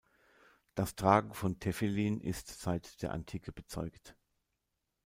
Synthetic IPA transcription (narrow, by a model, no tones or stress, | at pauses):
d̥astʁ̥aːɡŋ̩fɔntʰɛfeliːnʔɪ̰stz̥aɪtd̥eːɐʔa̰ntʰiːkʰəb̥ət͡sɔʏkt